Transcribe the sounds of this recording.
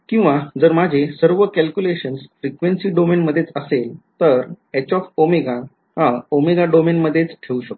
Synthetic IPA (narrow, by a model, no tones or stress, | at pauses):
kĩw̃ʋad͡zəɾmad͡ʑʱesəɾʋəkælkjuleɕənsfɾikʋensiːɖomenməd̪ʱːjet͡səselt̪əɾɛt͡ɕɔfomeɡa | ɦãomeɡaɖomenməd̪ʱːjet͡sʈʰeuɕək̚t̪